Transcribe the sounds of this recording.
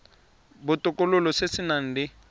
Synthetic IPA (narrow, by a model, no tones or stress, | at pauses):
bʊtʼʊkʼʊlʊlɔsesinan̩ːdɪ